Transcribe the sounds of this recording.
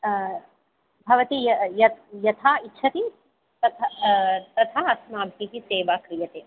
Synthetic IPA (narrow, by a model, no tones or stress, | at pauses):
bʱɐʋɐt̪ijɐjɐjɐt̪ʰaːitːʃʰɐt̪i | t̪ɐt̪ʰat̪ɐt̪ʰaːɐsmaːbʱkiɦiseːʋaːkɾijɐt̪eː